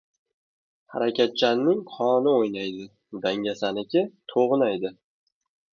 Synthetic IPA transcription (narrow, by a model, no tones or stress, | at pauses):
ha̰ɾakʲʰat̪̚t͡ʃʰanːɪŋqʰɒnɪojnajd̪ɪ | d̪aŋɡʲasanɪkʲɪt̪ʰoʁnajd̪ɪ